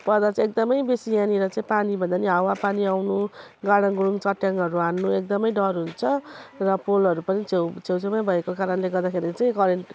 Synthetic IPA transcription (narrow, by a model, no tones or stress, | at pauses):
pʌrd̪at͡sãek̚d̪ʌmʌjbesijãniɾʌt͡saĩpanibʱʌnd̪aniɦawapaniawnuɡaɽ̃ʌŋɡuɽuŋt͡sʌʈjaŋʌɾuanːuek̚d̪ʌmʌjɖʌrɦunt͡sʰʌrʌpolʌɾupʌnit͡sʰewt͡sʰewt͡semajbʱʌekokaɾʌnleɡʌrd̪akʰeɾit͡saĩkʌɾeɳʈ